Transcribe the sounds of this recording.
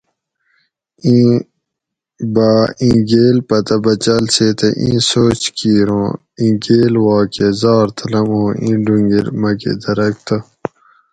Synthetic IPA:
ĩː | baːĩːɡeːlpɐt̪ɐbɐt͡ɕɐlseːt̪ɐʔḭ̃ːsoːt͡ɕkiːɾõː | ĩːɡeːlwɑːkezɑːɾt̪ʰɐlɐmɦõːʔĩːɖuŋɡiɾmɐkḛd̪ɐɾɐk̚t̪ɐ

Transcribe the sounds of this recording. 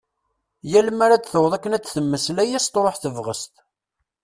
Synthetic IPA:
jæləmaɾat͡sθəwðˤækːənæt͡sːθəmːəslæjæst̪ɾˤoħθəvʁəst̪

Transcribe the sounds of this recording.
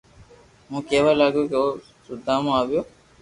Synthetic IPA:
mũːkeːʋaːlaːɡjoːkeoː | sʊd̪ʱãːmõːaːʋɪjoː

